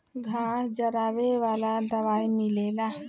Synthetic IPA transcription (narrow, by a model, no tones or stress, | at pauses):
ɡʱaːd͡ʒɐɾaːʋeʋaːlad̪ɐʋaːimileːla